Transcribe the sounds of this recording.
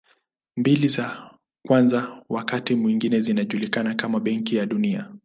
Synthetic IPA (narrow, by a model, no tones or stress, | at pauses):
mbiliza | kwanzawakatimwiŋɡinɛzinaʄulikanakamaɓɛŋkijaɗunia̰